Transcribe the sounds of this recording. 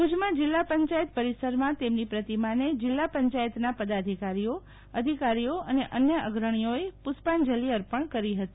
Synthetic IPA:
ud͡ʒmãd͡ʒɪlːapəɲt͡ʃajət̪̚pəɾisəɾmãt̪emnipɾət̪imaned͡ʒɪlːapəɲt͡ʃajət̪napəd̪ad̪ʱikaɾijo | əd̪ʱikaɾijoəneʔənjəʔəɡɾəɳ̃ijoepʊspand͡ʒəliəɾpəɳkəɾiɦət̪i

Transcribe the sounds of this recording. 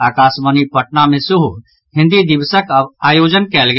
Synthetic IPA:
aːkaːsmənipəʈnamẽsuɦu | ɦɪ̃nd̪id̪ɪbsəkəbaːjoːd͡ʒənkɛlɡe

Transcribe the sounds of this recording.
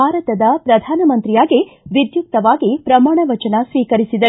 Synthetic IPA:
aːɾɐt̪ɐd̪ɐpɾɐd̪ʱaːnɐmɐnt̪ɾijaːɡiʋid̪juk̚t̪ɐʋaːɡipɾɐmaːɳɐʋɐt͡ʃɐnɐsʋiːkɐɾisid̪ɐ

